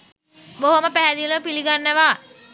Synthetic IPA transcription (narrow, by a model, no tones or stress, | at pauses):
boɦoməpæɦæd̪ilopiliɡanːəʋa